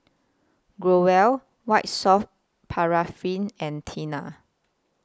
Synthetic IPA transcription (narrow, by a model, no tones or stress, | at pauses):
ɡɹowɛl | waɪt̚sɔf | pʰaɹafĩnɛ̃ntʰina